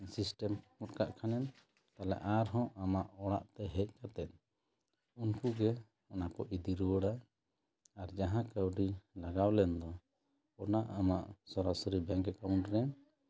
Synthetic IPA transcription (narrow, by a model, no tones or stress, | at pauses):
sisʈɛmkuʈ̚kaʔkʰanɛn | t̪alɛ̰ʔaɾɦɔ̃ʔamaʔɔɽaʔt̪ɛɦɛc̚ˀkat̪ɛt̪̚ | unkuɡɛ | ɔnakɔʔid̪iɾuwəɽa | aɾd͡ʒaɦãkəwɖilaɡawlɛnd̪ɔ | ɔnaʔamaʔsɔɾasɔɾibɛŋkɛkauɳʈɾɛn